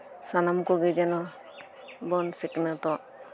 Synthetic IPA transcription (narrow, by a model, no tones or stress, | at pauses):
sanamkɔɡɛd͡ʒɛnɔ | bɔnsɛknɔt̪ɔ